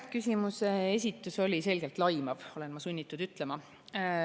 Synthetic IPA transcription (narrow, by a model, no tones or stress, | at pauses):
kysʲimusees̬ʲit̪ːˑuso̞lʲise̞lɡe̞lt̪ˑlɑjmɑvo̞le̞nmɑsunʲːit̪ːˑud̪̥yt̪ˑle̞mɑ